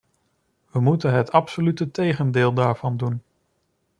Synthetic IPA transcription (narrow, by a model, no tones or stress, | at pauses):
ʋəmutənɦətɑpsolytətejχəndɪːlˠdaːɹv̥ɑndun